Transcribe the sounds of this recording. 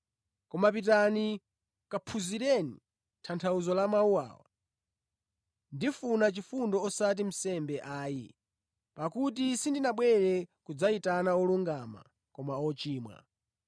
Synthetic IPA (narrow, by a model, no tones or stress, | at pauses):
kɔmap̬itani | kapʰuziɾɛni | tʰantʰauzɔlamauwa̰ːwa̰ | ndifunat͡ʃifundɔɔsat̬im̩sɛmbɛʔaːjḭ | pakutisindinaɓwɛɾɛkud͡zaitanaɔluŋɡama̰ | kɔmaɔt͡ʃiːmwa̰